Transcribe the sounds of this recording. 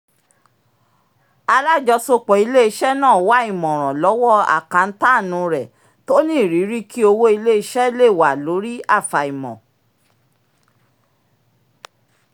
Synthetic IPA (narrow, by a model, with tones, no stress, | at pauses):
a˧la˦˨d͡ʒɔ˧so˧k͡pɔ˨i˧le˦i˧˦ʃɛ˦nãː˦˨˦wa˦i˦˨mɔ̃˨ɾ̃ã˨lɔ˨˦wɔ˦a̰˦˨kã˨˧n̩˦ta˦˨nũ˨˧ɾɛ˨ | to˦nĩ˦˨ɾi˨˦ɾi˦ki˦o˧wo˦i˧le˦i˧ʃɛ˦le˦˨wa˨lo˨˦ɾi˦a˦˨fa˨i˨mɔ̰̃˨